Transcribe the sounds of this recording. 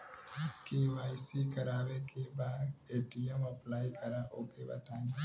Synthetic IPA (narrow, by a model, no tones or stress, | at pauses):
keʋaːɪsikɐɾaːwekebaːd̪eːʈijəmɐplaːikəɾaʔoːpebɐ̰t̪aːni